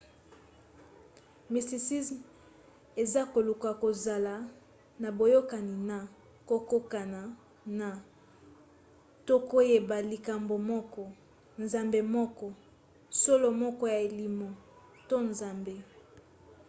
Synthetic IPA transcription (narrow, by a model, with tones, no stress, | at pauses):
mi˨sti˨si˦sm | e˨za˦ko˨lu˨ka˨ko˨za˨la˨ | na˨bo˨jo˦ka˨ni˨na˨ | ko˦ko˦ka˨na˨ | na˨ | to˦ko˦je˨ba˨li˨ka˨mbo˨mɔ˦kɔ˦ | nza˨mbe˨mɔ˦kɔ˦ | so˦lo˨mɔ˦kɔ˦ja˨e˨li˨mo˨ | to˦nza˨mbe˦